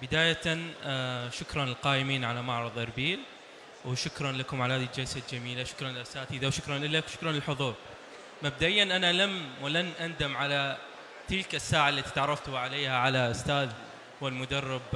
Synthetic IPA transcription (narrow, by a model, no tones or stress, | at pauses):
bɪd̪aːjat̪anʃʊkɾˤɑnɪlqɑːʔɪmiːnʕalamɑʕɾˤɑðˤʔɑɾˤbiːl | wʃʊkɾˤɑnlakʊmʕalhaːd̪ild͡ʒalsad̪d͡ʒamiːlaʃʊ̥kɾˤɑnɪlʔasaːt̪id̪awʃʊkɾˤɑnʔɪlːakʃʊ̥kɾˤɑnɪlħʊðˤuːɾˤ | mab̚d̪aʔɪjːanʔanalamwlanʔand̪amʕala | t̪ɪlkasːaːʕalːat̪i̥t̪ʕɑɾˤːɑft̪ʕaleːhaʕalaʔʊst̪aːð | wɪlmʊd̪ɑrˤːɪb